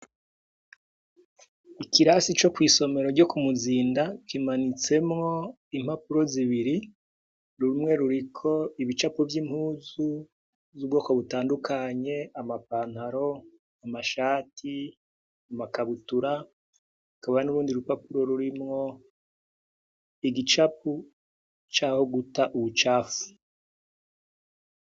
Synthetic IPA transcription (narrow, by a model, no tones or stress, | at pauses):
ikiɾasit͡ʃo̞kwiːso̞me̞ɾo̞ɾɟo̞kumuziːndakimanit͡se̞mŋo̞ | im̥hapuɾo̞ziβiɾi | ɾuumŋe̞ɾuɾikʰo̞iβit͡ʃapovjiːmhuːzu | zuːb̚ɡo̞ːko̞βutaːndukʰaɲe̞amapaːnhaɾo̞ | amaʃaːtʰi | amakaβutuɾa | ukaβaanuɾuːndiɾupapuɾo̞ɾuɾimŋo̞ | iɡit͡ʃapu | t͡ʃaːho̞ɡutaʔuβut͡ʃaːfu̥